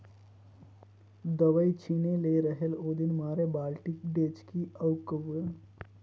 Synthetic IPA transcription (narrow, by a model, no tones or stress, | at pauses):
d̪əʋəjt͡ʃʰineleɾəɦelod̪inmaɾebalʈik̚ɖet͡ʃkiəwkəʋə